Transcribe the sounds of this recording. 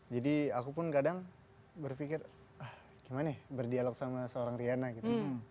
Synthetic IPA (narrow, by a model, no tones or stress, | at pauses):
d͡ʒadiakupʊnkadaŋ | bərfikɪr | ah | ɡ̥imanahbərdialɔk̚samasəoɾaŋrianaɡit̪u